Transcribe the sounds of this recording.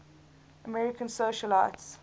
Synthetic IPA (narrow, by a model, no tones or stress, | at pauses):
əmɛɹɪkʰə̃nsoʃəlaɪts